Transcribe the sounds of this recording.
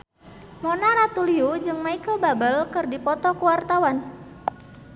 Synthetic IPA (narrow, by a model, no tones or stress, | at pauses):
mɔnaɾat̪uliud͡ʒɨŋmaikəlbabəlkɨrdipɔt̪ɔkuwart̪awan